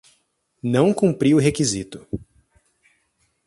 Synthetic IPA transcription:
nɐ̃w̃kũmpɾiʊɦekizit̪ʊ̥

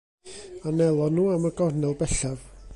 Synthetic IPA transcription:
anɛlˠɔnuːaməɡɔrnɛlˠbɛɬav

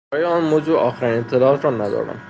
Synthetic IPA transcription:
ɒːjeɒːnmoːzuːʔɒːxeɾiːnet̪ʰːe̞lɒːɒːt̪ɾɒnæd̪ɒ̰ːɾd̪æ̰m

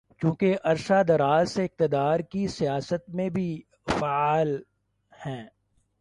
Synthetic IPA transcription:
kjũːkeʔɐɾʃad̪ɐɾaːzseɪq̚t̪ɪd̪aːɾkisijaːsət̪̚mẽbʱi | faaːl | hɛ̃ː

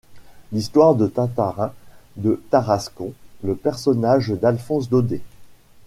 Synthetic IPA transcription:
list̪waʁd̪ət̪ãt̪aʁɛ̃d̪ət̪aʁaskɔ̃ləpɛʁsɔnaʒd̪alfɔ̃sd̪od̪e

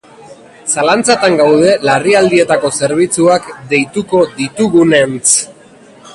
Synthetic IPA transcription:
salant͡sat̪aŋɡawðe̞lariald̪ie̞t̪ako̞se̞ɾβ̞it͡suakd̪e̞jt̪uko̞ðit̪uɣune̞nt͡s

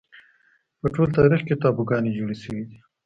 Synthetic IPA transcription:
pəʈoːlt̪ɑːɾixket̪ɑːbuɡɑned͡ʒuːɽisəwid̪i

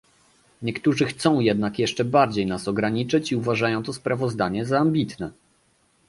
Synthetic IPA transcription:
ɲɛkt̪uʐɘxt̪sɔ̃w̃jɛd̪nakjɛʂt͡ʂɛbaɾd͡ʑejnasɔɡɾaɲit͡ʂɘt͡ɕiuvaʐajɔ̃w̃t̪ɔspɾavɔzd̪aɲɛzaːmbʲit̪nɛ

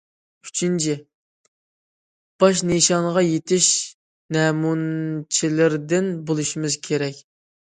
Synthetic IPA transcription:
y̥t͡ʃʰint͡ʃʰi | b̥ɑʃ̬neʃɑnʁɑjet̪ʰɪʃ | nɛːmunt͡ʃʰilɪɾd̪ɪnbolˠuʃimɪz̥kʲʰeɾɛkʲ

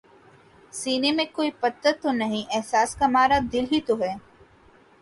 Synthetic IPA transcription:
siːnemẽkoːipɐt̪ːət̪ːonɐɦĩʔɛɦsaːskamaːɾad̪ɪlɦit̪oɦɛː

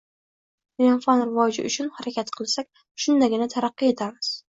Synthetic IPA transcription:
janfanɾɪvɒd͡ʒɪ̰ʊt͡ʃʰʊnhaɾakʲat̪qʰɨlˠsakʲ | ʃʊnd̪aɡʲɪnat̪ʰaɾɑqːɨje̞t̪ʰamɪz̥

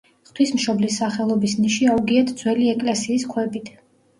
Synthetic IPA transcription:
χt̪ʰwismʃɔblisːaχɛlˠɔbisniʃiauɡiɛt̪ʰd̪z̥wɛliɛkʼlɛsiːskʰwɛbit̪ʰ

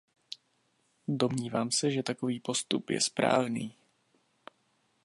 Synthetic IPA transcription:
do̞mɲiːvaːmsɛʒɛt̪ako̞viːpo̞st̪upjɛ̰spɾa̰ːvniː

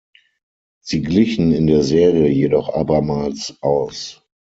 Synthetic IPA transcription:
z̥iːɡlɪçn̩ɪndeːɐzeːʁiəjedɔχʔa̰ːbɐmaːlsʔaʊs

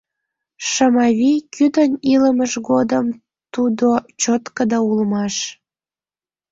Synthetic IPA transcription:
ʃəmɑβikyd̪əniləməʒɡod̪əm | t̪ud̪ot͡ɕot̪kəd̪ɑulmɑʃ

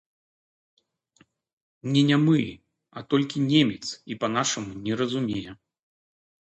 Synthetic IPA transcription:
nʲɛnʲɛmɨ | ɐt̪ɔlʲkʲinʲemʲɛt̪sipɐn̪aʂɐmunʲɛɾɐzumʲejɛ

